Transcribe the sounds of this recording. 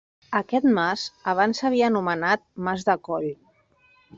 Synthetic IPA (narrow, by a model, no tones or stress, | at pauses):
əkɛt̪masəβ̞ansəβ̞iəːnumənat̪̚mazðəkɔʎ